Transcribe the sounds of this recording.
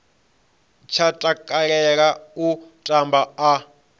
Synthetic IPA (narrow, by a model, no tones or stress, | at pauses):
t͡ʃʰatʼakʼaɺɛɺautʼambaː